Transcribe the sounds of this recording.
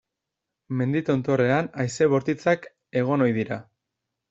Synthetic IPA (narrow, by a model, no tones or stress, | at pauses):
me̞nd̪it̪o̞nt̪o̞re̞anajse̞βo̞ɾt̪it͡sak | e̞ɣ̞o̞no̞jðiɾa